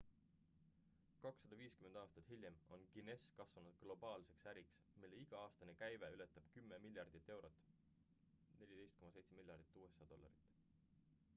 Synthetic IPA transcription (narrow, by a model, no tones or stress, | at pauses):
kɑksːɑd̪̥ɑviːskymend̪ɑːst̪ɑt̪hilʲjemo̞nɡine̞skɑsvɑnud̪̥̚ɡ̥lo̞b̥ɑːlse̞ksæɾiks | milːe̞iɡ̥ɑɑːst̪ɑnekæjveylet̪ːˑɑb̥kymːe̞milʲjɑrd̪̥it̪ːe̞wɾo̞t̪ːˑ | ne̞lʲid̪e̞jst̪ko̞mɑse̞jt̪semiljɑrd̪̥it̪ːˑuːesːɑd̪o̞lːɑ̰ɾit̪ːˑ